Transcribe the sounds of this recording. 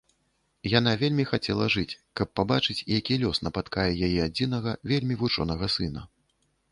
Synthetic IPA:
janavʲelʲmʲixat͡sʲɛlˠɐʐɨt͡sʲkɐpːabat͡ʂɨt͡sʲijakʲilʲɔsnɐpat̪kajɛjajɛad͡zʲin̪ɐɣɐvʲelʲmʲivut͡ʂɔ̰nɐɣɐsɨnɐ

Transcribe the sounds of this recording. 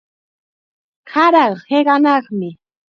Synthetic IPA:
kʰɑɾɑheɢɑnɑχmɪ

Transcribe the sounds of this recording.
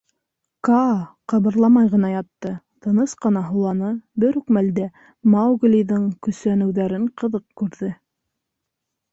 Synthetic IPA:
kɑqɑβɤ̆ɾlˠɑmɑjʁɤ̆nɑjɑt̪ːɤ | t̪ɤ̆nɤsqɤ̆nɑɦulˠɑnɤbɘɾʉkmæld̪æ | mɑwɡlʲiðɤŋkɵ̆sænɘ̆wðæɾɘɴqɤ̆ðɤq̚kʉɾðɘ

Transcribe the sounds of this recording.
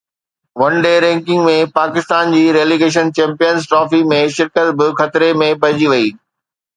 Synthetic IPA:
ʋɐ̃nɖeːɾɛ̃ːŋkɪ̃ŋɡmẽpaːkɪst̪aːnd͡ʑiːɾeːliɡeːʃ̬ənt͡ɕɛ̃ːmpijənzʈɾɔːfimẽʃɪɾkət̪bɪxɐt̪ɾemẽp̬ɐɾɪd͡ʑiʋɐiː

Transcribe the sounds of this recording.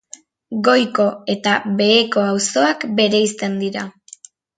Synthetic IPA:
ɡo̞jko̞e̞t̪aβe̞ːko̞awso̞akbe̞ɾe̞ist̪e̞nd̪iɾa

